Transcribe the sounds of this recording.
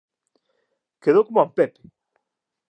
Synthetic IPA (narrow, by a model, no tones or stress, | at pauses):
keðokomampepe̥